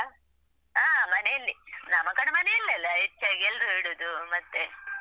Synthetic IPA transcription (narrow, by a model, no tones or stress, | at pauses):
aːmɐneɐlːinɐmːɐkɐɽemɐneilːɐlːɐet͡ʃːɐɡelɾuɦeɽuːd̪umɐt̪ːe